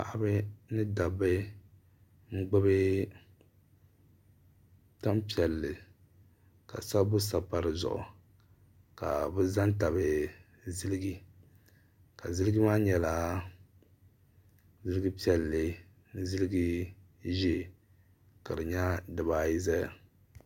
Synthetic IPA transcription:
pa̰˨ʔa˦bɨ˦nɨ˦da˨bɨ˦ | ŋ͡m̩˦ɡ͡bɨ˦bɨ˦ | ta˦mpi˨ɛ˨lːɨ˨ | ka̰˨sa˦bʊ˦s̬a˨pa˨ɾɨ˨zʊ̰˨ʔʊ̰˨ | ka̰˨bɛ˦za˦nta˨bɨ˨ | zɨ˦lɨ˦ɡi˦ | ka˨zɨ˦lɨ˦ɡɨ˦maː˦ɲɛ˨la˨ | zɨ˦lɨ˦ɡi˦pi˦ɛ˨lːɨ˨˦ | zɨ˦lɨ˦ɡi˦ | ʒi˦˨ | ka˨dɨ˨ɲa˦dɨ˨baː˨ji˦za˦˨

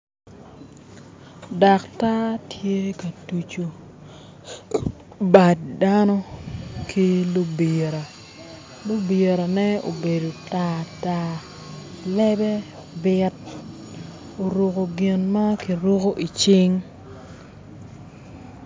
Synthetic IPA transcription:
da˨kta˦tʰje˦kɐ˨tu˨t͡ʃo˨ | ba˨t̚da˦nɔ˦kʰi˦lo˦bi˨ɾa˨ | lo˦bi˨ɾa˨nɛ˦o̰˨be˨do˨ta˦ta˦ | lɛ˦bɛ˦ | bɪ˦t̚ | o˨ɾu˨ko˨ɡɪ˨nma˦ki˨ɾu˦ko˦ʔi˨t͡ʃɪ˦ŋ

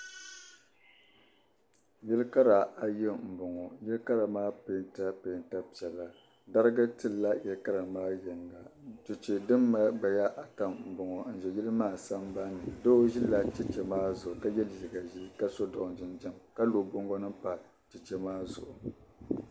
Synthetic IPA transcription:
jɪ˦lka˦ɾa˨a˨jɛ˦m̩˨bʊ˨ŋɔ˨jɪ˦lka˦ɾa˨maː˦pe˨˦nta˦pe˨nta˦pi˨ɛ˨lːa˨ | da˦ɾɨ˦ɡa˦tɨ˦lːa˦jɛ˨lka˦ɾa˨maː˦jɛ˨ŋ˨ɡa˨˦tɨ˨t͡ʃi˨dɨ˦mːa˦ɡ͡ba˨ja˦ʔa˨ta˨mm̩˨bʊ˨ŋɔ˨n̩˨ʒɛ˨ji˦lɨ˦maː˦˨sa˦m˦ba˦nɨ˨do˦o˦ʒi˦la˦t͡ʃɛ˦t͡ʃɛ˨maː˦zʊ˨ʊ˨ka˦jɛ˦lji˨ɡa˨ʒi˦ka˦so˦dɔ˨ʔnd͡ʒɪ˦nd͡ʒɛ˦mka˦lo˨bo˦ŋɡɔ˦nɨ˦mpa˨ | t͡ʃi˨t͡ʃɛ˦maː˦zʊ̰˨ʔʊ˨

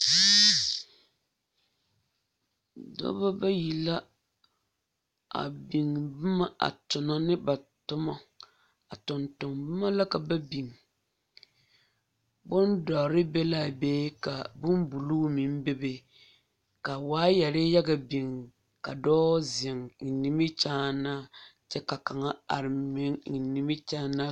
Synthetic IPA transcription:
dɔ̰˦ba˦ba˦ji˨la˦ | a̰˨bi˨ŋ˨bɨ˦ma˦ʔa̰˨tʊ˨na˨nɪ˦ba˨tʊ˦ma˦ | a̰˨tʊ˨ntʊ˨ŋbɨ˦ma˦la˦ka˨ba˦bi˨ŋ | bʊ˦ndɔ˨ɾɪ˦bɛ˦la˦˨beː˦ka˨bʊ˦m˦bu˨luː˦mi˨m˦be˦be˦ | ka˨waː˦jɛ˨ɾɪ˦ja˦ɡa˨bi˨ŋ | ka˨dɔː˦zɪ˨ŋŋ̩˨ni˦mɪ˦t͡ʃaː˦na˦t͡ʃɛ˦ka˨ka˨ŋa˦a̰˨ɾɪ˨mɪ˦ŋŋi˨ni˨mɪ˦t͡ʃa˦na˦

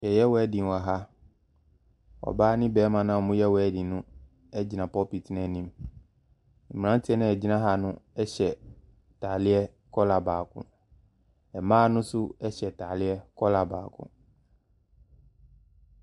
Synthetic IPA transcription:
jɛ˨jɛ˦wɔ˨ɛ˦dĩ˨n˨a˨ɦa˦ | ɔ̰˨baː˦nɪ̃˦bɛː˨˦mã˨nã˨mʊ̃˦jɛ˦wɔ˨ɛ˦dĩ˨nʊ̃˦ | ɛ˦d͡ʑi˨nã˨pɔ˦pi˨tʰi˨˦nɛ̃˨nĩ˦m | m̩˨m˨ã˦n˦tʰɪ˦ɛ˦nã˨ɛ˨d͡ʑi˦nã˦ɦa˨nʊ̃˦ɛ˦ɕɛ˨ | tʰa˨lɪ˦ɛ˦ | kʰɔ˦la˨baː˨kʰʊ̰̃˨ | ɛ˨mãː˦nʊ̃˦sʊ˦ɛ˦ɕɛ˨tʰaː˨lɪ˦ɛ˦kʰɔ˦la˨baː˨kʰʊ̰̃˨

